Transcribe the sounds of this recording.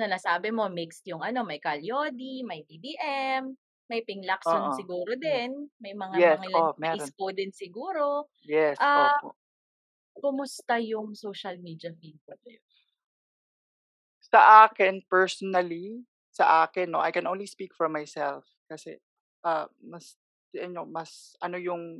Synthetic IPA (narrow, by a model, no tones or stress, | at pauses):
nɐnɐsaːbɪmo̞mɪkst̪jʊŋʔɐno̞mɐjkɐljod̪imɐjb̪id̪iʔɛmː | ɐjpɪŋlɐksʊsɪɡuːɾod̪ɛnmɐjmɐŋaɛŋlɐomɛɾskod̪ɪnsɪɡuːɾo̞ | jɛsɐopo̰ | kʊmʊst̪ɐjʊŋsowʃɐlmiːd̪ɐfinpɐbɛ | sɐʔaːkɪnpɛɹsɔnɐli | sɐʔaːkɪnːoʔajkɛnʔownlispikfɔɹmajsɛlf | kɐsɛ̰ | ʔɐmɐs | ʔɐɲːomɐsʔɐnojʊŋ